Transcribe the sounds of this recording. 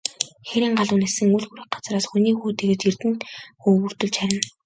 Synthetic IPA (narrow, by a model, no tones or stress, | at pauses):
xeɾiːŋɢaɮʊːnesɘ̆ŋuɮɣuɾĭːk̚ɢḁt͡sraːsxuniːxuːt̪eɣɘ̆t̪irt̪ɘ̆nt̪xɵːɣɵr̥t̪ɵ̆ɮt͡ɕxæɾʲɪ̆n